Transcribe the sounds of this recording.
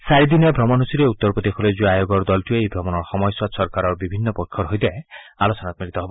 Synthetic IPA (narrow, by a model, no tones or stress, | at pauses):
saɾid̪inebʱɾɔmɔnɦusiɾeut̪ːɔɾpɔd̪ekʰɔled͡ʒueajoɡɔɾd̪ɔlʈieejbʱɾɔmɔnɔɾxɔmɔjswasɔɾkaɾɔɾbibʱinːɔpɔkʰːɔɾɦojd̪aealosɔnat̪ɔmiɾit̪ɔɦebɔ